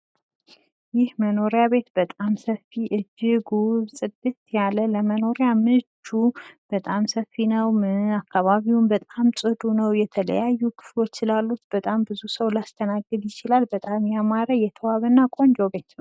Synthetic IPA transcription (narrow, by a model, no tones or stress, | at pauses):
jɪhməno̞ɾjaβe̞t̪bət̪ʼamsəfiʔɨd͡ʒːɪɡusʼɨd̪ɨt̪jalələməno̞ɾjamɨd͡ʒub̥ət̪ʼamsəfːinəwmɨakʰːaβaβiwunbət̪ʼamsʼɨd̪unəwjɛt̪ʰələ̰jajːukʰɨ̥flo̞t͡ʃːsɨlalːut̪b̥ət̪ʼambɨzusəwlast̪ʰənaɡːɨd̪jɪt͡ʃɪlalbət̪ʼamjamaɾəjɛt̪ʰəwaβənːakʼo̞nd͡ʒo̞be̞t̪nəw